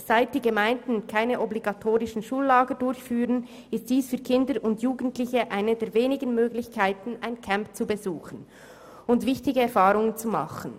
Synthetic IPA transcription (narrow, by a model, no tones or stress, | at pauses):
z̥aɪt̚d̥iːɡəmaɪndn̩kʰaɪnəʔɔbliɡatʰoːʁɪʃn̩ʃuːlːaːɡədʊɾçfyːʁən | ɪstd̥iːsfyːɐkʰɪndəɾʊndjuːɡən̩tlɪçəʔaɪnədeːveːnɪɡən̩møːɡlɪçkʰaɪtn̩aɪnkʰampt͡subəzuːxən | ʊntvɪçtɪɡəɛɾfaːʁʊŋənt͡sumɑ̰χən̩